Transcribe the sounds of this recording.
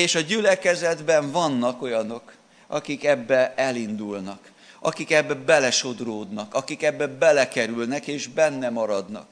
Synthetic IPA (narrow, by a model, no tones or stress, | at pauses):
eːʃɒɟylɛkɛzɛd̪bɛɱvɒnːɒko̞jɒno̞k | ɒkikɛbːɛɛlind̪ulnɒk | ɒkikɛbːɛbɛlɛʃo̞d̪roːd̪nɒkɒkikɛbːɛbɛlɛkɛɾylnɛkeːʒbɛnːɛmɒɾɒd̪nɒ̰k̚